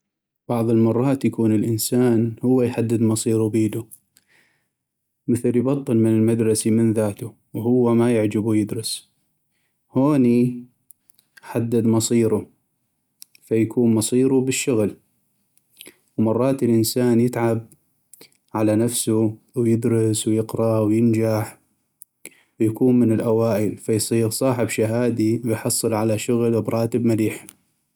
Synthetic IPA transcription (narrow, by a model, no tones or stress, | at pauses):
b̥ɑʕðˤəlmɑrˤːɑːt̪jakuːnɪlʔɪnsaːnhʊwːajħad̪ːɪd̪mɑsˤiːɾubiːd̪u | mɪθɪljbɑt̪ˤːɨlmɪnɪlmad̪ɾˤɑsimɪnðaːt̪u | whʊwːamajɪʕd͡ʒabujɪd̪ɾɨs | hoːni | ħad̪ːɪd̪mɑsˤiːɾu | fajakʰuːnmɑsˤiːɾubɪʃːʊɣl | wmɑrˤːɑːt̪ɪlʔɪnsaːnjɪt̪ʕab̚ | ʕalanafsu | wjɪd̪ɾɨswjɪqɾˤɑwjɪnd͡ʒaħ | wjakuːnmɪnɪlʔawaːʔəlfajsˤiːɾsˤɑːħɪbʃaɦaːd̪iwɪjħɑsˤːɨlʕalaʃʊɣlwbɾˤɑːt̪ɪbmaliːħ